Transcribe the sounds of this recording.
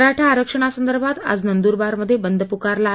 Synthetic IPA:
ɾaʈʰaːɾəkʂəɳ̃asənd̪əɾbʱat̪a̰d͡znənd̪uɾbaɾməd̪ʱːjebənd̪ʱəpukaɾla

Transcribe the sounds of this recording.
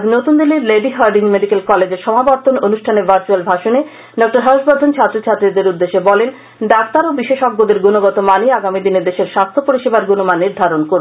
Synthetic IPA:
ad͡ʑnot̪und̪iliɾleɖiɦaɾɖiŋmeɖikelkɔled͡ʑeɾʃɔmabaɾt̪ononuʃʈʰanebaɾt͡ɕualbʱaʃone | ɖɔk̚ʈaɾɦɔʃbad̪ʱont͡ɕʰat̪ːɾot͡ɕʰat̪ːɾid̪eɾud̪ːeʃebɔlen | ɖak̚t̪aɾobiʃeʃɔɡːod̪eɾɡunoɡɔt̪omaniaɡamid̪ined̪eʃeɾʃast̪ʰopoɾiʃebaɾɡunomanːiɾd̪ʱaɾonkoɾ

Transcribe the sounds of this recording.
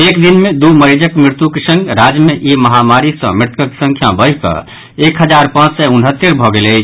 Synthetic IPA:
ekd̪inmed̪uməɾid͡ʒəkmɾɪɾt̪jukesə̃ŋɡɾad͡ʒmeʔiməɦamaɾisə̰̃mɪɾt̪kəke̥sə̃ŋkʰjabəkə̰ | ekɦəd͡ʒaɾpãt͡ʃsɛunɦət̪ːeɾbʱɔɡeləɪt͡ʃʰ

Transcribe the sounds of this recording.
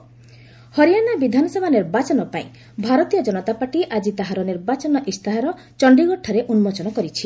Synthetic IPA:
hɔɾijanabid̪ʱanɔsɔbʱaniɾbat͡ʃɔnɔpaĩ | bʱaɾɔt̪ijɔd͡ʒɔnɔt̪apaʈiʔad͡ʒit̪aɦaɾɔniɾbat͡ʃɔnɔʔist̪aɦaɾɔ | t͡ʃɔɳɖiɡɔʈʰɔɾeʔunmɔt͡ʃɔnɔkɔɾit͡ʃʰi

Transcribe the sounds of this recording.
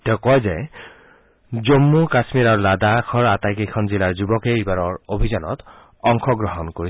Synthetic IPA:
tɛʊkɔjzɛ | zomːukasmiɹaɹuladakʰɔɹatajkekʰɔnzilaɹzubɔkeibaɹɔɹobʱizɔnɔ̰t | ɔŋkʰɔɡɹɔɦɔnkoɹi

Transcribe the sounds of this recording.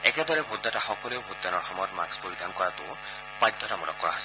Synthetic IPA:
eked̪ɔɾebʱud̪ʱːataxɔkɔlewbʱud̪anɔɹxɔmɔjɔt̪ma̰kspolid̪ʱankɔɾat̪u | pajd̪ʱɔtamɔɾɔ̰kːɔɹaɦas

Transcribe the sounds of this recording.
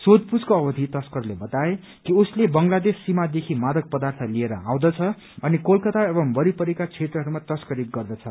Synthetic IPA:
sod̪̚pud͡zkoʌbʌd̪ʱit̪ʌskʌrlebʌt̪ae | kiuslebʌŋɡlad̪esːimad̪ekʰimad̪ʌk̚pʌd̪art̪ʰʌlieɾʌ̰ã̰w̃d̪ʌt͡sʰʌ | ʌnikolkʌt̪aebʌmbʌɾipʌɾekat͡sʰet̪rʌɦʌɾumat̪ʌskʌɾik̚ɡʌrd̪ʌt͡sʰʌ

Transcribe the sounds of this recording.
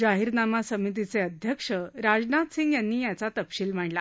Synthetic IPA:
d͡ʑaɦiɾnamasəmit̪̬it͡seəd̪ʱjəkʂəɾad͡znat̪sĩŋɡjanːiːjat͡sat̪əpɕiːlm̤aɳla

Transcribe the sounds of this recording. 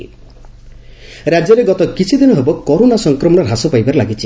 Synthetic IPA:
ɾad͡ʒjɔɾeɡɔt̪ɔkit͡ʃʰid̪inɔɦebɔkoɾonasɔŋkɾɔmɔɽ̃ɔɾɦasɔpajbaɾelaɡit͡ʃʰi

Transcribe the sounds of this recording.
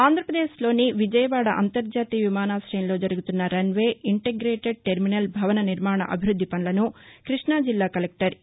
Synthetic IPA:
aːnd̪ʱɾɐpɾɐd̪eːslo̞ːniʋid͡ʒɐjɐʋaːɽɐʔɐ̰nt̪ɐɾd͡ʒaːt̪iʋimaːnaːsɾɐjɐnlo̞ːd͡ʒɐɾɐɡut̪unːɐɾɐnʋe̞ːiɳʈeɡɾeːʈeɖ̚ʈeɾminɐlbʱɐʋɐnɐniɾmaːɳɐ̰ʔɐ̰bʱiɾud̪ʱːipɐnlɐnukɾiʂɳaːd͡ʒilːaːkɐlek̚ʈɐɾ

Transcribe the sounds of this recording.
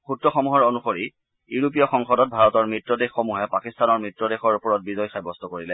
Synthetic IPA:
xutɹɔxɔmuɦɔɹonuxoɹi | uɹup̬ijɔxɔŋxɔdɔt̚bʱaɹɔtɔɹmɹitɹɔdexːomuɦɛpakistanɔɹmɹitɹɔdexɔɹupɔɹɔt̚bizɔjxajbɔstɔkoɹilɛ

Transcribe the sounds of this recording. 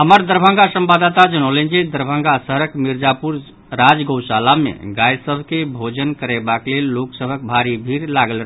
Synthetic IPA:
ɦəməɾd̪əɾbʱə̃ŋɡasəmbad̪at̪ad͡ʒənəlɛnd͡ʒid̪əɾbʱə̃ŋɡasəɦəɾəkmiɾd͡ʒapuɾ | ɾad͡ʒɡəwsalamḛɡajsəbʱkebʱod͡ʒənkəɾebaklelːoksəbʱək̚bʱaɾibʱiɾlaɡəlɾəɦ

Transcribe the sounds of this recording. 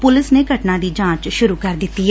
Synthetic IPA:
pʊlɪsneːɡʱəʈnãːd̪iːd͡ʒãːt͡ʃʃʊɾuːkəɾd̪ɪt̪ːiːɛ

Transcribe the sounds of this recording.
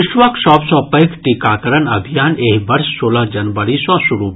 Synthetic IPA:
ɪʃʋəkʃɔːbsɔ̃ːpɐkʰʈikaːkɐɾənɐbʱijaːneːɦbɐɾsːoːləɦd͡ʒɐnʋəɽisɔ̃ːsʊɾuːb

